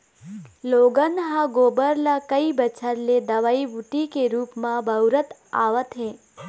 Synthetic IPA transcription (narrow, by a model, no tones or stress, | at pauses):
loɡənɦãɡobəɾlakəibət͡ʃʰəɾled̪əʋaiʋuʈikeɾuːpmãbʱəwɾət̪a̰ʋət̪ɦẽ